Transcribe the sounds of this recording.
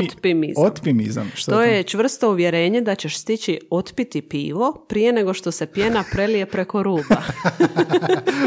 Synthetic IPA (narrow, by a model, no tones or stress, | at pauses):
ot̪pimizot̪pimḭza̰mt̪ojet͡ʃʋr̩st̪o̞uʋje̞ɾe̞ːɲe̞d̪at͡ɕe̞ʃst̪it͡ɕio̞t̪pit̪ipḭːʋo̞pɾije̞ne̞ɡo̞ʃt̪o̞se̞pje̞napɾe̞lije̞pɾe̞ko̞ɾuːba